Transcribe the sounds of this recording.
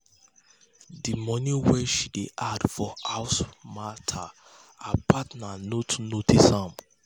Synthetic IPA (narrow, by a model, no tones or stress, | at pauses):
dimɔ̃niwɛʃideʔadfɔaʊsmatʰa | apʰatnanotnotisãm